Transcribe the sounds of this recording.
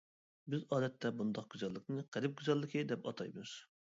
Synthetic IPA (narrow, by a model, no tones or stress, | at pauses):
bɪzɑːd̪ɛt̪ʰːɛbund̪ɑq̚ɡ̥ʲyzɛlˠːəqnɨqʰæɾɪp̚ɡʲyzɛlˠːəqʰɨd̪ɛpɑ̰t̪ʰɑjmuz̥